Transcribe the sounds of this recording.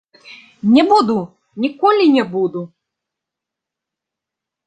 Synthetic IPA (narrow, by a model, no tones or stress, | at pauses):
nʲɛbud̪u | nʲikɔlʲinʲɛbud̪u